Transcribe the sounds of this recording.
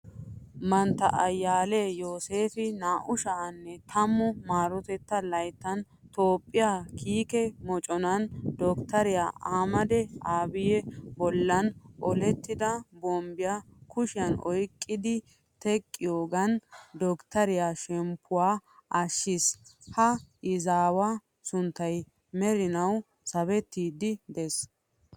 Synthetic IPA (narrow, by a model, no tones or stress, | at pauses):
mɐnt̪ːɐʔɐjːaːleːjo̞ːseːfɪnaːʔʊʃaːnːɛt̪ʰɐmːʊmaːɾɔt̪ɛt̪ːɐlɐjt̪ːɐn | t̪oːpʼːɪjaːkiːkɛmɔt͡ʃʼɔnɐnd̪ɔkt̪ɐɾɪja̰ːʔaːmɐd̪ɛaːbɪjɛbɔlːɐnʔɔlɛt̪ːɪd̪ɐbɔmbɪjakʊʃɪjɐnɔjkʼːɪd̪ɪ | t̪ɛkʼːɪjoːɡɐnd̪ɔkt̪ɐɾɪjaʃɛmpʰːʊwaːʔɐʃːɪshɐɪzaːwa | sʊnt̪ːɐj | mɛɾɪnɐw | sɐβɛt̪ːiːd̪ɪd̪ɛs